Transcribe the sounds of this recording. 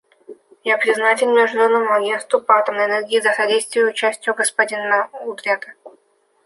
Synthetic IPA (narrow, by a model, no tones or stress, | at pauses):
japɾʲɪznatʲɪlʲmʲɛʐlʲonːəmʊɐɡʲe̞nst̪vʊpɐat̪əmnəjɛnerɡʲɪizəxɐdʲejst̪vʲɪjʊːt͡ɕæsʲtʲjʊɡəspɐdʲɪnːaud̪ɾʲet̪ə